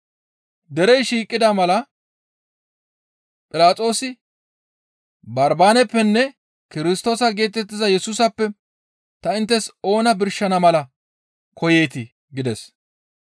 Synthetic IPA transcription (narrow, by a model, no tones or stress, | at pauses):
d̪ɛɾɛjʃiːkʼːɪd̪ɐmɐlɐ | pʼɪlaːt͡sʼo̞ːsɪ | bɐɾbaːnɛpːɛnːɛ | kɪɾɪst̪o̞ːsɐɡe̞ːt̪ɛt̪ːɪzɐjɛsuːsɐpːɛ | t̪ɐɪnt̪ːɛso̞ːnɐbɪɾʃɐnɐmɐlɐ | kʰɔje̞ːt̪ɪ | ɡɪd̪ɛs